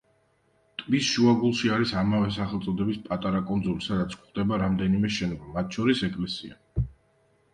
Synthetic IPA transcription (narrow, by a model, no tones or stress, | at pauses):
t̪ʼmisʃuaɡulˠʃiaɾisamavɛsaχɛlˠt̪sʼɔd̪ɛbispʼat̪ʼaɾakʼɔnd̪zulisad̪at̪sʰkʰχd̪ɛbaɾamd̪ɛnimɛʃɛnɔbamat̪̚ʰʃʰɔɾisɛkʼlɛsia̰